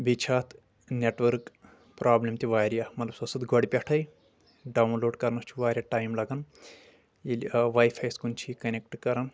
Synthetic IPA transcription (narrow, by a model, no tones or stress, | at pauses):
bit͡ʃʰaːt̪ʰ | neʈʋɐɾk | pɾʔaːblʲɐmt̪iʋaːɾjamɐt̪lɐbsɐsɨd̪ɡʱoɽʲipʲɐʈʰɐj | ɖaːwnloːɖkɐɾnɐst͡ʃʰiʋaːɾʲjaʈaːjmlɐɡɐn | jilʋaːjfʰaːjskunt͡ʃʰikɐnʲek̚ʈkɐɾɐn